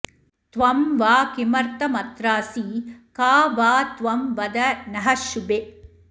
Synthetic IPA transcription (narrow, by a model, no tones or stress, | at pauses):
t̪ʋɐmʋaːkimɐɾt̪ɐmɐt̪ɾaːsikaːʋaːt̪ʋɐmʋɐd̪ɐnɐɦɐʃube